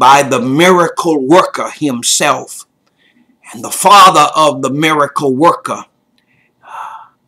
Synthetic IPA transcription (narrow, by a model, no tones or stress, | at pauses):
b̥aɪðəmɪɹɨkʰl̩ˠwɜ˞kə˞hɪ̃msɛlˠf | ɨ̃nðəfɑðə˞ʔʌvðəmɪɹɨkl̩ˠwɜ˞kə˞